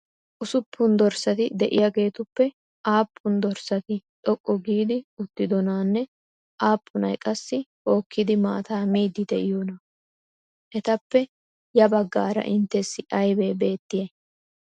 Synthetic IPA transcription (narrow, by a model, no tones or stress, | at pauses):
ʔʊsʊpːʊnd̪ɔɾsɐt̪ɪd̪ɛʔɪ̰jaɡe̞ːt̪ʊpːɛ | ʔaːpʰːʊnd̪ɔɾsɐt̪ɪᶑɔkʼːɔɡiːd̪ɪʊt̪ːɪd̪ɔnaːnːɛ | ʔaːpʰːʊnɐ̰jkʼɐsːɪ | o̞ːkːɪd̪ɪma̰ːt̪aːmiːd̪ːɪd̪ɛʔɪjoːnɐ | ʔɛt̪ɐpːɛ | jɐbɐɡːa̰ːɾɐ̰ʔɪnt̪ːɛsːɪʔɐjbeːbe̞ːt̪ːɪje